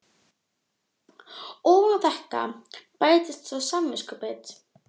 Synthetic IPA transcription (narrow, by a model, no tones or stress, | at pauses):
ɔːvawθɛht̪a̰paːjt̪ɪst̪sawsamːɪskʏpɛt̪